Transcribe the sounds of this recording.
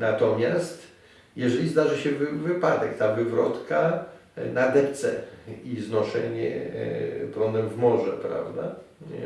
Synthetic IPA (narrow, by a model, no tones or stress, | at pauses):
nat̪ɔmʲjast̪ | jɛʐɛlʲizd̪aʐɨɕɛvvɘpad̪ɛkt̪avɘvɾɔt̪ka | nad̪ɛpt̪sɛ̰iznɔʂɛɲɛ̰ | plɔnd̪ɛmvmɔʐɛpɾa̰vd̪a̰